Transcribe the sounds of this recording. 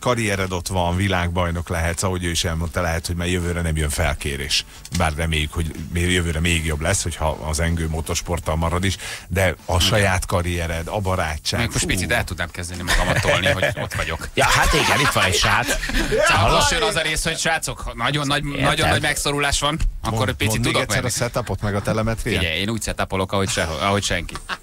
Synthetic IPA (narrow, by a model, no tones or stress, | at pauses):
kɒɾijɛɾɛd̪o̞t̪ʋɒnvilaːɡ̚bɒjno̞klɛɦɛt̪sɒɦo̞ɟøːiʃɛlmo̞nt̪ɒlɛɦɛt̪ho̞ɟmaːrjøvøːɾɛnɛmjøɱfɛlkeːɾḛːʃ | baːrrɛmeːjykho̞ɟmejøvøːɾɛmeːɡjo̞blɛsːho̞chɒ̰ɒ̰zɛŋɡøːmot̪o̞rʃpo̞rt̪ɒlmɒɾɒd̪iʃd̪ɛɒʃɒjaːt̪kɒɾijɛɾɛd̪ɒbɒɾaːt͡ʃːaːmːek̪moʃt̪pit̪sit̪ɛlt̪ud̪naːmkɛzd̪ɛnimɒɡɒmɒt̪ːolniihoot̪ʋɒɟo̞kjɒhat̪oɛlit̪ʋɒnɛcʃaːt̪saoʃjønɒzɒɾeːsho̞cʃʋaːt̪so̞khɒnɒɟo̞nːɒɟnɒɟonːɒɟmɛkso̞ɾulaːʃʋɒnɒkkːoɾopisiudd̪oɛmsːɛɾɒsɛt̪ɒpo̞t̪mɛɡɒt̪ɛlɛmɛt̪reiɟɛjeːnuːcsɛt̪apolo̞kɒɦo̞cʃɛoɒɦo̞cʃɛŋki